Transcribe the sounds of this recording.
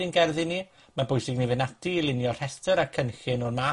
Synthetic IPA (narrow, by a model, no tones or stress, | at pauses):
ɪnɡɛrðɨni | mabʊɨsɪɡnivɪnatʰilˠɪnjɔr̥ɛstʰəɾakʰənxɪnɔrma